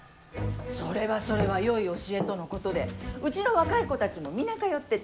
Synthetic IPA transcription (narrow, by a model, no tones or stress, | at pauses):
so̞ɾe̞βaso̞ɾe̞βajo̞io̞ɕie̞t̪o̞no̞ko̞t̪o̞d̪e̞ɯ̟t͡ɕino̞βakaiko̞t̪at͡ɕimo̞mʲinakajo̞t̪ːe̞